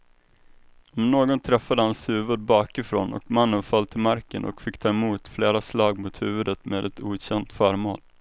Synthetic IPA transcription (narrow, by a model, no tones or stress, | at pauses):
ɔmnoːɡɔnt̪ʰɾɛfːad̪əhanshʉ̟ːvəd̪̚bɑːkɪfɾo̰ːnɔ̰kmanːənfœlt̪ʰɪlmaɾkənʔɔ̰kfɪkːt̪ʰɑːɛmuːt̪fleːɾaslɑːɡmʊt̪hʉ̟ːvɵd̪ət̪meːd̪ɛt̪ʰuːɕɛnt̪fœːɾmoːl